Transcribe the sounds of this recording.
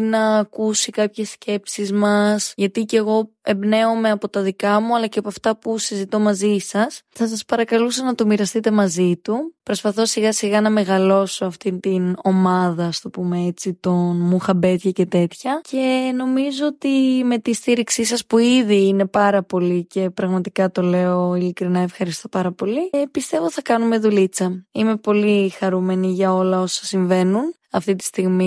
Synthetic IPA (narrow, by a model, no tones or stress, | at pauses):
nɐːkusikɐpçe̞sce̞psizmɐsʝɐt̪ice̞ɣo̞ | e̞mbne̞ome̞ɐpo̞t̪ɐðikɐmuɐlɐceɐpoɐft̪ɐpusizit̪o̞mɐzisɐsθɐs̬ɐspɐɾɐkɐlusɐnɐt̪omiɾɐst̪it̪emɐzit̪upɾo̞spɐθo̞siɣɐsiɣɐnɐme̞ɣɐlo̞so̞ɐft̪int̪ino̞mɐðɐst̪opumeet͡sit̪o̞nmuxɐbe̞t̪çɐce̞t̪e̞t̪çɐce̞no̞mizooːt̪ime̞t̪ist̪iɾiksisɐspuiðiine̞pɐɾɐpo̞lice̞pɾɐɣmɐt̪ikɐt̪o̞le̞o̞ilikɾinɐe̞fxɐɾist̪o̞pɐɾɐpo̞lipist̪e̞vo̞θɐkɐnume̞ðulit͡sɐime̞po̞lixɐɾume̞niʝɐo̞lɐo̞sɐsiɱve̞nun | ɐft̪it̪ist̪iɣmi